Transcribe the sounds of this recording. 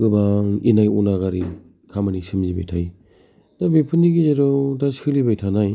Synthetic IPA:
ɡɯbaŋinajunaɣaɾi | kʰamanisɯmziba̰jtʰaj | dabepʰɯniɡizeɾɔwdasɯlibajtʰanaj

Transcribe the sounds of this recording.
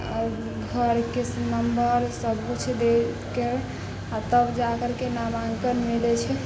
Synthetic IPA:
ɡʱəɾkenəmbəɾsəbʱut͡ʃʰɛd̪e | ke | at̪əbd͡ʒakəɾkenabãŋɡkəɾmilɛt͡ʃʰɛ

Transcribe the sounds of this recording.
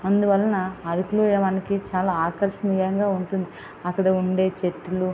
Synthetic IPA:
ɐnd̪uʋɐlːɐnɐːɾukluːjɐʋaːnikit͡ʃaːlaːaːkɐɾʃɐniːjɐŋɡaːuɳʈund̪i | ɐkːɐɽɐuɳɖe̞ːt͡ʃeʈ̪ːilu

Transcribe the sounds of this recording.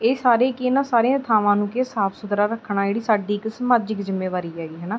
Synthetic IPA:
eːsaːɾeːkɪnãːsaːɾeãːt̪ʰaːʋãːnũːkesaːpʰsʊd̪ɾaːɾəkʰːɽãːeːɽiːsaːɖiːksmaːd͡ʒɪkzɪmːeːʋaːɾiːɛːɡiːɦɛːnaː

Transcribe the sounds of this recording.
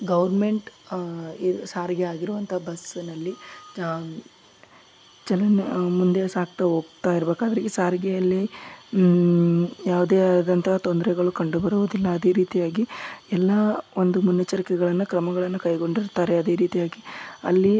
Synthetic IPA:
ɡɐʋɐɾme̞ɳʈ | isaːɾɡɛaːɡiɾuʋɐnt̪ʰɐɦɐbɐsnɐlːi | t͡ʃɐlɐnmund̪esaːk̚t̪ɐɦoːɡt̪aːjiɾbe̞ːkaːd̪ɐɾiɡesaːɾɡɛjɐlːi | jaːʋud̪eːad̪ɐnt̪ʰɐɦɐt̪o̞nd̪ɐɾɛɡɐɭukɐɳɖubɐɾuʋud̪ilːɐːd̪e̞ːɾiːt̪ijaːɡiɛlːɐond̪umunːɐt͡ʃːɐɾikɛɡɐɭɐnːukɾɐmɐɡɐɭɐnːukɐjɡo̞ɳɖiɾt̪aːɾeɐd̪e̞ːɾiːt̪ijaːɡiɐ̰lːi

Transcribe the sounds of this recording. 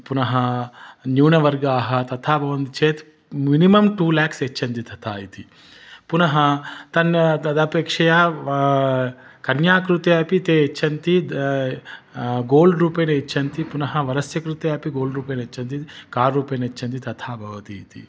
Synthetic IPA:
punɐɦɐnjuːnɐʋɐɾɡaːɦɐt̪ɐt̪ʰaːbʱɐʋɐnt̪it͡ʃeːt̪ | minimɐmʈuːlaːkset͡ʃʰːɐnt̪it̪ʰɐt̪ʰaːjit̪i | punɐɦɐt̪ɐnɐt̪ɐd̪ɐpeːkʂɐjaː | kɐnjaːkɾut̪eɐpit̪eːet͡ʃʰːɐnt̪i | ɡoːlɖɾuːpɐnɐet͡ʃʰːɐnt̪ipunɐɦɐʋɐɾɐsjɐkɾut̪eːɐpiɡoːlɖɾuːpɐnet͡ʃʰːɐnt̪ikaːɾːuːpɐnet͡ʃʰːɐnt̪̬it̪ɐt̪ʰaːbʱɐʋɐt̪ḭːt̪ḭ

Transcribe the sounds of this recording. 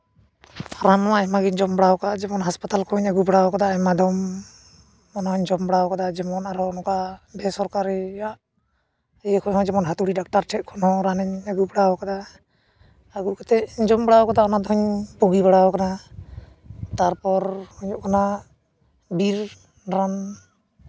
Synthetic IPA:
aɾamɔahɛmaɡiɲd͡ʒɔmbɽawkaad͡ʒɛmɔnɦaspat̪alkʰɔɲaɡubɽawɔkad̪amad̪ɔm | ɔnaɔɲd͡ʒɔmbɽawɔkad̪ad͡ʒɛmɔnaɾɔnɔkabʱɛsɔɾkaɾɛjaʔ | ɛjɛkʰɔɲɦɔ̃d͡ʒɛmɔnɦat̪uɽiɖak̚ʈaɾʈʰɛt̪̚kʰɔnhɔ̃ɾanɛɲəɡubɽawkad̪a | aɡukat̪ɛʔɲd͡ʒɔmbɽawkad̪aɔnad̪ɔɦɔɲpuɡibaɽawɔkana | t̪aɾpɔɾhɔɲɔʔkana | biɾ | ɾan

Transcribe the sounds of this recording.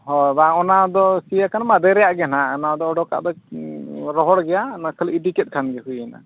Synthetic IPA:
ɦɔjbaɔnad̪ɔsijakʰanmad̪ɛɾɛjaʔɡɛnaɔnad̪ɔɔɖɔka̰ʔd̪ɔ | ɾɔɦɔɽɡɛjanakʰəliiʈikɛt̪̚ˀkʰanɡɛɦujɛna̰

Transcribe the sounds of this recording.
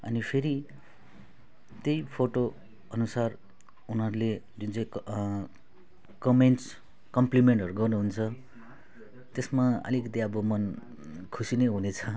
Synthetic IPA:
ʌ̰nipʰeɾi | t̪jʌjpʰoʈo | ʌnusar | unɦʌɾule | d͡zunt͡sʌ̃j̃k | kʌmeɳʈs | kʌmplimeɳʈʌɾuɡʌrnuɦunt͡sʰʌ | t̪esmaʌ̰likd̪eʌbʌmʌn | kʰusinʌɦunet͡sʰʌ

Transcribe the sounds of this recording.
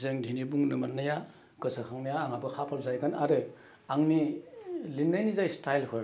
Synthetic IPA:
zeŋdʱinibuŋnɯmannːɯja | kɯsʰakʰaŋnajaːŋabɯkʰapʰalzajɡɯnaɾɯ | aŋni | linːajnizajstajlkʰɯɾ

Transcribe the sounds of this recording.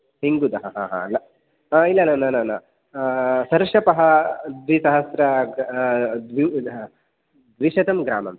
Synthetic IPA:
hiŋɡud̪ɐɦɐɦã̰ɦa̰lːɐ | ailːɐnaːnaːnaːna̰ | sɐɾʂɐpɐɦɐd̪ʋisɐɦɐsɾɐ | d̪ʋi | d̪ʋiʂɐd̪ɐmɡɾa̰ːmɐ̰m

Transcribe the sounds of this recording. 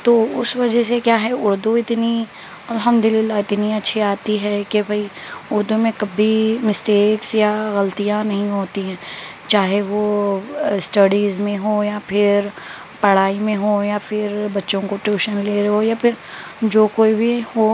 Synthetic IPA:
t̪oːʊsʋɐd͡ʒɛsekjaːɦɛʊɽd̪uɪt̪ni | ɐlɦəmd̪ʊlɪlːaɪt̪niɐtːʃʰiaːt̪iɦɛkebʱɐiʊɾd̪umẽkɐbʱimɪsʈeːksjaɣɐlt̪ijãnɐɦĩɦoːt̪iɦɛ̃ː | t͡ʃaːɦeʋo | ɪsʈɐɽiːzmẽɦoːjapʰɪɾ | pɐɽ̤aːimẽɦojafʰɪɾbɐtːʃõkoʈuːʃənleːɾɐɦojaːpʰɪɾ | d͡ʒoːkoːibʱiho

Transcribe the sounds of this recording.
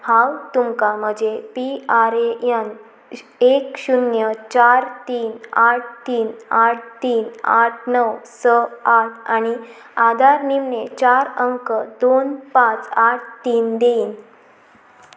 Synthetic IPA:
hãwt̪umkaməd͡ʑʱepiaɾeən | ekɕunjət͡ɕaɾt̪iːnaʈ̚ʰt̪iːnaʈ̚ʰt̪iːna̰ʈ̚ʰnəʋsəaʈ̚ʰañi | ad̪ʱaɾnimnet͡ɕaɾəŋkəd̪onpãt͡saʈ̚ʰt̪iːnd̪en

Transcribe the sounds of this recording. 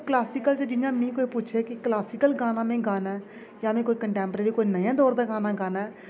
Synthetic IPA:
klaːsiːkəlt͡ʃəd͡ʒɪnjãːmĩːkoːiːpʊt͡ʃʰeːkɪklaːsiːkəlɡaːnãːmẽːɡaːnɛː | jaːmẽːkoːiːkəɳʈɛ̃ːmpɾeːɾiːkoːinəjãːd̪ɔːɾd̪aːɡaːnãːɡaːnɛː

